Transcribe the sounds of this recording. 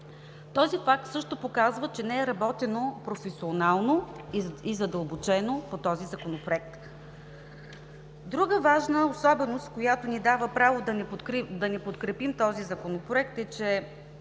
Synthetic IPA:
t̪ɔzifak̚t̪sɤʃt̪opokazvət͡ʃɛnɛːɾɐbɔt̪ɛnopɾofɛsionalˠnoizɐd̪əlˠbot͡ʃɛnopot̪ɔzizɐkonopɾoɛk̚t̪ | d̪ɾuɡəvaʒnəosɔbɛnost̪kojat̪onid̪avəpɾavod̪ɐnd̪ɐnɛpot̪kɾɛpimt̪ɔzizɐkonopɾoɛk̚t̪ɛt͡ʃɛ

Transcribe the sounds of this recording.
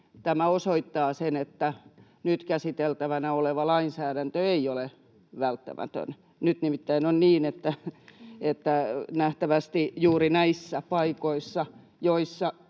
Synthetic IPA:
t̪æmæosoit̪ːɑːsenet̪ːæ | nyt̪kæsit̪elt̪æʋænæoleʋɑlɑinsæːɾænt̪øeiole | ʋælt̪ːæ̰mʔæ̰t̪ø̰n | nyt̪nimit̪ːæinonniːnet̪ːæ | et̪ːænæht̪æʋæst̪ijuːrinæisːæpɑikoisːɑ | joisːɑ

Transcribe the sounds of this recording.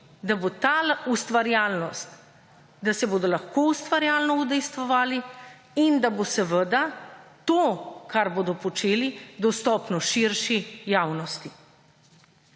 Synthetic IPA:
d̪abot̪aːlust̪ʋaɾjalnɔst̪ | d̪asɛboːd̪ɔlaxkoust̪ʋaɾjaːlnɔud̪ɛjst̪ʋɔʋaːli | ind̪abosəʋəd̪at̪okaɾboːd̪ɔpɔt͡ʃeːlid̪ɔst̪ɔpnɔʃiɾʃijawnɔst̪i

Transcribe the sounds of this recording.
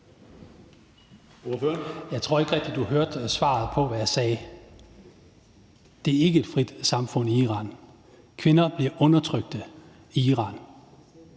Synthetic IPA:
oføɐnjɑ̈ɪt͡sʰʁo̝ɐ̰e̝ɡ̥əʁɛɡ̥̚d̥id̥uɦøɐd̥sʋɑ̰̈ːð̩ˠpʰɒ̽ʋæjɑ̈sɛː | d̥e̝æɐe̝ɡ̥əe̝d̥fʁid̥sɑ̈mfɔ̽n̰iiʁɑ̰̈ːn | kʰʋe̝nɐb̥liɐʔɔ̽nɐt͡sʰʁœɡ̥̚d̥ə | iiːʁɑ̈ːn

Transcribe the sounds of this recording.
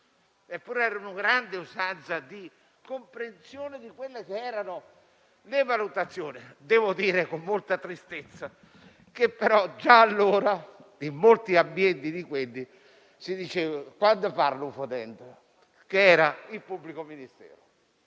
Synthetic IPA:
epːuɾɛːɾaunʊɡɾand̪ɪuzant̪sad̪i | kompɾensjoːnɪd̪ikwelːekeɛːɾanʊ | levalut̪at̪sːjoːnɪd̪ɛːvod̪iːɾekomːolt̪at̪ɾist̪et̪sːa | kepːeɾɔd͡ʒaːlːoːɾad̪imolt̪iabːjɛnt̪id̪ikwelːi | sid̪it͡ʃeːvakwand̪opaɾlufot̪ɛnt̪ | keɛːɾailpubːlikominist̪ɛ̰ːɾo

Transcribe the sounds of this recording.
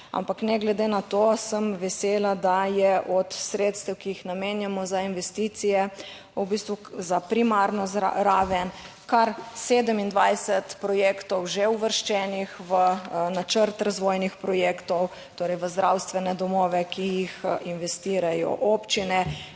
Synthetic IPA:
a̰mpaknɛɡlɛd̪enat̪osəmʋɛseːlad̪ajɛʔɔt̪sɾeːt̪st̪ɛwkijixnameːnjamɔzainʋɛst̪iːt̪sijɛ | ubiːst̪ʋuzapɾimaɾnɔza̰ɾaːʋɛn | kaɾseːd̪əmind̪ʋajsɛt̪pɾɔjeːkt̪ɔwʒeuʋəɾʃt͡ʃɛːnixʋənat͡ʃəɾt̪ɾazʋojnixpɾɔjeːkt̪ɔw | t̪oːɾɛjʋəzd̪ɾawst̪ʋɛnɛd̪ɔmɔːʋɛkijixinʋɛst̪iːɾajɔ̰ʔopt͡ʃinɛ

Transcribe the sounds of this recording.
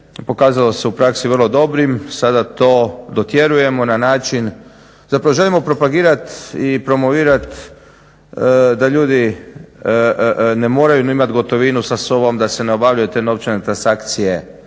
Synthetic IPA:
po̞kaːzalo̞se̞upɾaksiʋərlˠo̞d̪o̞bɾimsad̪at̪oːd̪o̞t̪je̞ɾuje̞mo̞nanaːt͡ʃin | zapɾaʋo̞ʒe̞limo̞pɾo̞paɡiːɾat̪ipɾo̞mo̞ʋiːɾat̪ | d̪aʎuːd̪i | ne̞mo̞ːɾajuimat̪ɡo̞t̪o̞ʋiːnusaso̞bo̞md̪ase̞neo̞baʋʎujut̪e̞ːno̞ʋt͡ʃene̞t̪ɾansakt̪sije̞

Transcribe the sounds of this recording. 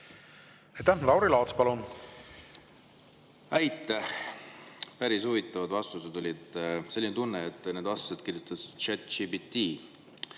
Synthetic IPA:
et̪ːælɑwɾilɑːt̪spɑlun | æjt̪ːˑeh | pæɾishuvit̪ːˑɑvɑd̪vɑst̪used̪o̞lʲid̪̥se̞lːint̪unːeet̪ːˑned̪vɑst̪sed̪̥kirjut̪ˑːɑsi̥d̪̥t͡ʃæt̪ːt͡ʃibit̪ːiː

